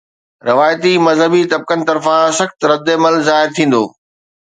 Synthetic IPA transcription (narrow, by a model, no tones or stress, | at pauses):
ɾɪʋaːjt̪imɐzɦəbit̪ɐb̚kənɪ̆t̪ɐɾfãsɐxt̪ɾɐd̪ːeːməlzaːɪɾt̪ʰĩːn̆d̪o̰ː